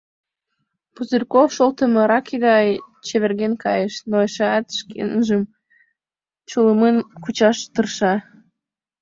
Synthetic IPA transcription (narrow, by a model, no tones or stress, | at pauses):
puzərkofʃolt̪əmɤ̆ɾɑkeɣɑjt͡ɕeβerɣenkɑjəʃnoeʃɑt̪ʃkḛnʒəm | t͡ɕoləmenkut͡ɕɑʃt̪ərʃɑ